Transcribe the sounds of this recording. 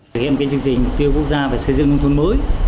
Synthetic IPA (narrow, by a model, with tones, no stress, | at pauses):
k̚hḭ˧˨nkaː˨˦t͡ɕɨ˧əŋt͡ɕï˨˩ŋ̟mʊ˨˩k͡p̚t̪i˧əwku˧˥ək̚zaː˧ve˨˩sə˧jzɨ̰˧˨ŋːkŋ͡mt̪ʰwə˧nməː˨˦j